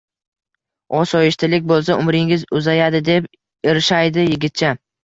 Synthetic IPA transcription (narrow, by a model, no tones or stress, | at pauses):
ɒsɒjɪʃt̪ʰɪlɪkʲbolˠsaʊmɾɪŋɪzʊzajad̪ɪd̪e̞p | eɾɪʃajd̪ɪjɪɡʲɪt̪̚t͡ʃʰa